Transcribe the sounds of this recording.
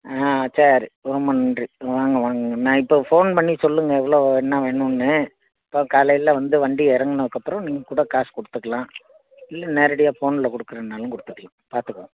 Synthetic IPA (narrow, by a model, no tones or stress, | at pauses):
aːsaɾiɾɔmːɐnɐndriʋaːŋɡɐʋaːŋɡɐɡɐnãːɪpːofoːnpɐɳːisɔlːɯŋɡɐɛʋːɐɭoːɛnːaʋeːɳʊ̃nːɯ | ɐpːokaːlɐjɪlɐʋɐnd̪ɯʋɐɳɖiɛɾɐŋɡɐnɐʋɯkːɐpːɯɾɔ̃niːŋɡɐkuːɽɐkaːskɔɽɯt̪ːɯkːɐlãː | ɪlːɐneːɾɐɽɪjaːfoːnɪlɐkɔɽɯkːɯɾɐnːaːlɯ̃ŋkɔɽɯt̪ːɯkːɐlãpaːɾt̪ɯkːɐ̃